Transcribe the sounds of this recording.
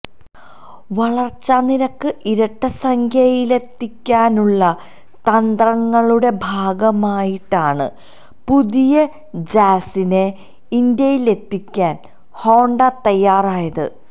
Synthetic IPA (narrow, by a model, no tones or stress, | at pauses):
ʋɐɭɐrt͡ɕːɐniɾɐkːɨʔiɾɐʈːɐsɐŋkʰjɐjile̞t̪ːikʲːaːnuɭːɐ | t̪ɐnd̪rɐŋːɐɭuɽe̞bʱaːɡɐmaːjiʈːaːɳɨ̰ | puðijɐ | d͡ʑaːsine | ind̪jɐjile̞t̪ːikʲːaːn | ho̞ːɳɖɐt̪ɐjːaːraːjɐðɨ̰